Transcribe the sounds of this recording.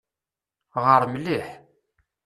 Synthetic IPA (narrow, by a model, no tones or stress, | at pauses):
ʁəɾmliħ